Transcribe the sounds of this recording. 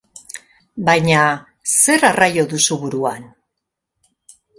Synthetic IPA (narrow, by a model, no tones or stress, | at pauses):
bajɲa | se̞ɾarajo̞ðusuβuɾuan